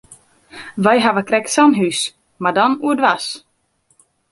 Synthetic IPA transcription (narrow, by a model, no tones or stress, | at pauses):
vajɦavakɾɛksanɦʉs | mad̪anud̪vas